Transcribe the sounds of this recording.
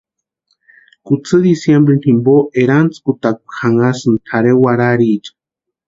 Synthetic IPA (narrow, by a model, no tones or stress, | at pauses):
kut͡sɨd̪isjembɾenhimboʔeɾant͡skut̪ak̚u̥xaŋasɨnt̪ʰaɾewaɾaɾid͡ʒḁ